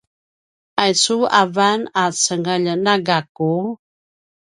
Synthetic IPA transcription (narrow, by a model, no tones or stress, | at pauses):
ajsuavanasəŋəʎənaɡaku